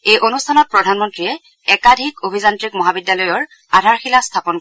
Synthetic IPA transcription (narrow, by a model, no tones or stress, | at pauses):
ejʔonustʰanɔt̚pɹɔdʱanmɔntɹijɛ | ɛkadʱikobʱizantɹikmɔɦabidjalɔjɔɹ | adʱaɹxilastʰapɔnk